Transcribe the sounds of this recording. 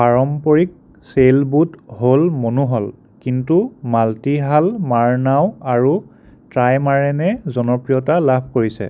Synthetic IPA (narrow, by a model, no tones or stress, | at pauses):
paɹɔmpɔɹik̚ | selbutɦolmonuɦɔl | kintumaltiɦalmaɹnawaɹu | tɹajmaɹɛnɛzɔnɔpɹijɔtalabʱkoɹisɛ̰